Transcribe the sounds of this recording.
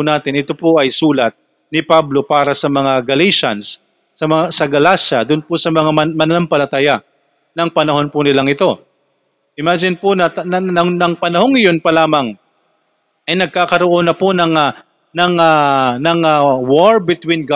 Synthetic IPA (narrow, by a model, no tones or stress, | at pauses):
ʊnaːt̪ɪnʔɪt̪opoʔɐjsuːlɐt̪̚ | nɪpablo̞paːɾɐsɐmɐŋaɡɐleʃɐnsː | ɐmɐŋasɐɡɐlaʃɐd̪ʊnpʊsɐmɐŋamɐmɐnɐlampɐlɐt̪aːjɐ | nɐŋpɐnɐho̞npʊnɪlaŋɪt̪o̞ | ʔɪmaːd͡ʒɪnponɐnɐɐŋnɐŋpɐnɐho̞ŋɪjonpɐlaːmɐŋ | ʔɐjnɐɡ̚kaːkɐɾoʔo̞nɐponɐŋa | nɐŋanɐŋɐwoɹbɪt̪winɡ